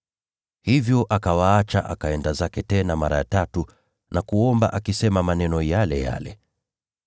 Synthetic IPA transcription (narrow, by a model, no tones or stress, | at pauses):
hivjɔʔakawaat͡ʃa̰ʔa̰kaɛndazakɛtɛnamaɾa̰ja̰tatu | nʔakuɔmbaʔakisɛmamanɛnɔjalɛja̰lɛ̰